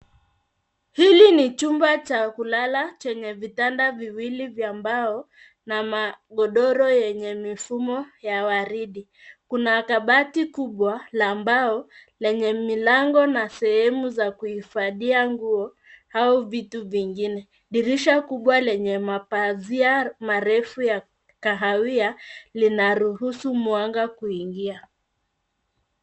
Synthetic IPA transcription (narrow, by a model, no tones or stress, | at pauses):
hilinit͡ʃumbat͡ʃakulalat͡ʃɛɲɛvitandaviwilivjaːmbaɔ | namaɠɔɗɔɾɔjɛɲɛmifumɔjawaɾiɗi | kunaːkaɓatikuɓwalaːmbaɔlɛɲɛmilaŋɡɔnasɛhɛmuzakuhifaðiaŋɡuɔ | hauvituviŋɡinɛ | ɗiɾiʃakuɓwalɛɲɛmapaziamaɾɛfuja | kaɦawialinaɾuhusumwaŋɡakuiŋɡia